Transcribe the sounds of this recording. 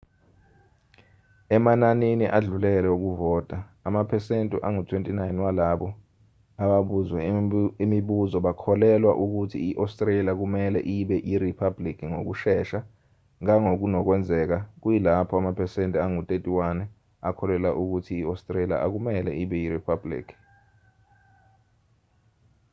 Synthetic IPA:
ɛmananiniʔaɮulɛlɛuk̬uvɔːtʼaamapʰɛsentʼḭʔaŋutʰwentʼinajnwalaɓɔ | aɓaɓuzwɛimiɓuzɔɓakʰɔlɛlwa̰ʔuk̬utʰḭiʔastʼreliak̬umɛlɛ̰ʔiɓɛʔiripʰablikʰiŋo̰k̬uʃɛːʃa | ŋaŋok̬unɔk̬wɛnd͡zʱɛk̬ak̬ujilapʰɔamapʰɛsentʼiaŋutʼetʼiwanɛ | akʰɔlɛlaʔuk̬utʰiːastʼrelia̰ʔak̬umɛlɛiɓɛiripʰablḭːkʰi̥

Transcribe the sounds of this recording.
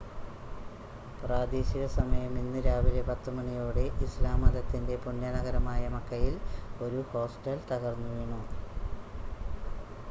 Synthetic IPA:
praːd̪iːɕiɣɐsɐmɐjɐminːɨɾaːʋilebɐt̪ːumɐɳijoːɽe̞ʔislaːmɐd̪ɐt̪ːinde̞puɳːjɐnɐɣɐɾɐmaːjɐmɐkːɐjilo̞ɾuho̞ːsʈɐlt̪ɐɣɐrnːuʋiɳu

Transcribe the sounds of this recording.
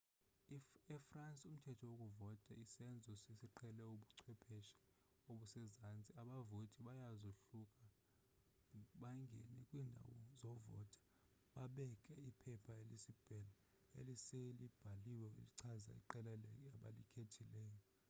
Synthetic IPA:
ɛfrant͡sʼum̩tʰɛtʰɔwok̬ʼuvɔtʼɛisɛnd͡zʱɔsisiǃʰɛlɛuɓuǀʰwɛpʰɛʃɛ̥ | oɓusɛzant͡sʼiaɓavotʼiɓajazoɬukʼa | ɓaŋɡʱɛnɛkʼwiːndʱa̰wɔzɔvɔ̰tʼḁ | ɓaɓɛkʼɛipʰɛpʰaelisib̥ʱɛla | ḛliselib̥ʱaliwɛṵliǀʰaza̰ḭǃɛlɛlɛkʼaɓa̰likʰetʰilɛːjɔ

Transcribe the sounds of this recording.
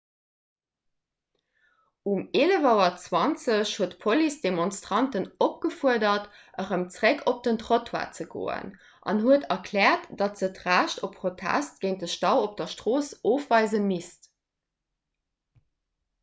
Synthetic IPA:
umeːləvɑʊɐt͡swɑnt͡səɕhuətpʰolisd̥emonstʁ̥ɑntənop̚ɡ̥əfuədɐt | ʔəʁəmt͡sʁekʰop̚d̥əntʁotʰwa̰ːt͡səɡo̰ːə̰n | ʔɑ̰nhuətɐkʰlɛːɐtd̥ɑtz̥ətʁæːʃtʰopʰχotʰæ̰stɡ̥əɪnt̚dəʃtɑʊop̚d̥ɐʃtʁoːsoːfvɑɪzəmist

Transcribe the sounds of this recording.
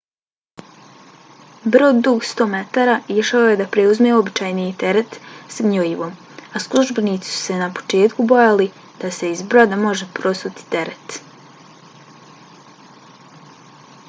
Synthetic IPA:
bɾoːd̪d̪uɡst̪o̞ːme̞t̪aɾaiʃaoje̞d̪apɾeuzmeo̞bit͡ʃaːjnit̪e̞ɾet̪saɲoiʋo̞ːm | aslˠuʒbe̞niːt̪si̥su̥se̞napo̥t͡ʃe̞ːt̪kubo̞jali | d̪̥ase̞izbɾod̪amo̞ʒe̞pɾo̞sut̪i̥t̪e̞ɾet̪

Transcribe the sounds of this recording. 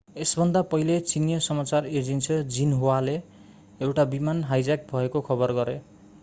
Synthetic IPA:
esbʱʌnd̪apʌɦilet͡sinijʌsʌmat͡sared͡zinsʌd͡zinɦowale | ewʈabimanɦajd͡zak̚bʱʌekokʰʌbʌrɡʌɾe

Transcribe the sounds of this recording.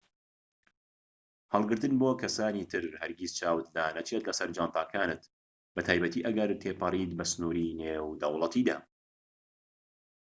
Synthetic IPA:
hɐlˠɡɨɾt̪ɨnbokʰɐsaːniːt̪ʰɨɾhɐɾɡizt͡ʃʰaːwɨt̪̚d̪aːnɐt͡ʃʰet̪lɐsɐɾd͡ʒaːnt̪aːkʰaːnɨt̪ | bɐt̪ʰaːjbɐt̪iːʔɐɡɐɾt̪ʰeːpʰɐrˤiːt̪̚bɐsnuɾinewd̪ɐwlˠɐt̪iːd̪a̰ː

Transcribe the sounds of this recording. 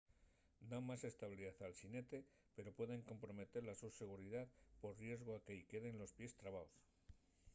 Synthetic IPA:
d̪aŋmase̞st̪aβliðaθalsine̞t̪e̞ | pe̞ɾo̞pwe̞ðe̞ŋko̞mpɾo̞me̞t̪e̞ɾlasuse̞ɣ̞uɾiðaðpo̞ɾrje̞zɣoakejke̞ð̞e̞nlo̞spje̞st̪ɾaβaos

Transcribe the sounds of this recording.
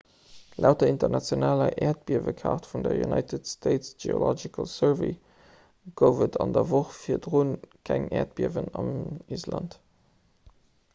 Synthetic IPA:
læʊtɐintɐnɑt͡sjonaːlɐʔɛːɐt̚biɐvəkʰɑ̰ʁtfundɐjṵnɑɪtətstʰeɪtsʒḛo̰lɔd͡ʒikʰə̰lsəvḭ | ɡ̥əʊvətʰɑndɐvoχfiːɐdʁunkʰæŋɛːɐt̚b̥iɐvənɑmiːslɑnt

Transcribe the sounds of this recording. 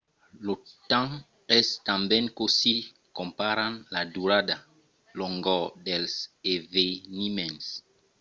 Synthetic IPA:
lotãŋ | ɛstãmbɛ̃nkosi | kɔ̃mpaɾãnladuɾada | lɔŋɡɔdɛlsevenimɛ̃ns

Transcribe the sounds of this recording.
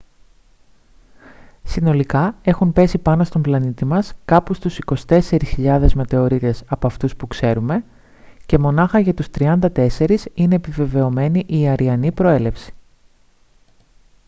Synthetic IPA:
sino̞likɐe̞xumpe̞sipɐno̞st̪o̞mblɐnit̪imɐskɐpust̪usiko̞si̥t̪e̞se̞ɾisçiʎɐðe̞zme̞t̪e̞o̞ɾit̪e̞sɐpoɐft̪uspukse̞ɾume̞ | ce̞mo̞nɐxɐʝɐt̪ust̪ɾiɐnd̪ɐt̪e̞se̞ɾisine̞ːpive̞ve̞o̞me̞niʔiɐɾiɐnipɾo̞e̞le̞fsi̥

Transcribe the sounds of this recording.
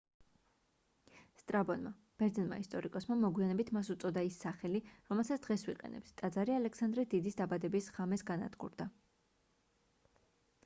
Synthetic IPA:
st̪ʼɾabɔnma | b̥ɛɾd̪zɛnma̰ist̪ʼɔɾikʼɔsmamɔɡwianɛbit̪ʰmasut̪sʼɔd̪aisːaχɛliɾɔmɛlˠsat̪sʰd̪ʁɛswiqʼɛ̰nɛ̰pt̪ʰt̪ʼad̪zaɾialɛksand̪ɾɛd̪id̪isd̪abad̪ɛbisʁamɛsɡana̰d̪ɡʼṵɾd̪a

